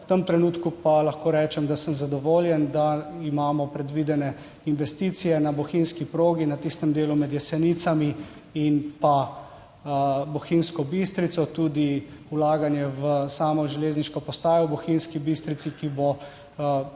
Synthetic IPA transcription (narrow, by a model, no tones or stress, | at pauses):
t̪əmt̪ɾɛnuːt̪kupalaxkoːɾɛːt͡ʃɛmd̪asəmzad̪ɔʋoːljɛnd̪aimaːmɔpɾɛd̪ʋiːd̪ɛnɛ | inʋɛst̪iːt̪sijɛnabɔxinskipɾoːɡinat̪ist̪ɛmd̪eːlumɛd̪jɛsɛnit̪sami | inpa | bɔxinskɔbist̪ɾit̪sɔt̪uːd̪iulaːɡanjɛʋəsaːmɔʒɛleːzniʃkɔpɔst̪aːjɔwbɔxinskibist̪ɾit̪sikibo